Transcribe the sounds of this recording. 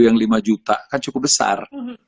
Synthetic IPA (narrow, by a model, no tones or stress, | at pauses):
jaŋlimad͡ʒut̪a̰kant͡ʃukʊp̚bəsa̰r